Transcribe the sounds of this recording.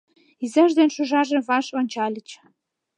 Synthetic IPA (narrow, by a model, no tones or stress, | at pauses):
izæʒd̪enʃuʒɑʒevɑʃonʲt͡ɕɑlʲit͡ɕ